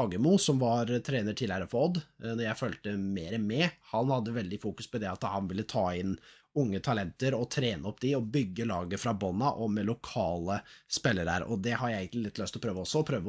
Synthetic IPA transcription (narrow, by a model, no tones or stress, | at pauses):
ɑːɡəmʊsɔmʋɑɾt̪ʰɾeːnəʈʰɪlhæɾəfɔd̪nɔɾjæɪføːlt̪əmeːɾəmɛhɑnhɑd̪ːəʋɛld̪ɪfuːkʉspɔd̪ɛɑt̪hɑnʋɪlːət̪ʰɑːɪn | ʊŋːət̪ʰɑlɛnt̪əɾɔt̪ʰɾeːnəɔpːd̪ɪɔbʏɡːəlɑːɡəfɾɑbɑnɑʔɔmɛlʊkʰɑːləspɛlːəɾæ̰ːɾɔ̰d̪ɛhɑɾjæɪeɡənlɪlɪt̪ːlœst̪lɔpʰɾøːʋəɔsːɔɔpʰɾøːʋə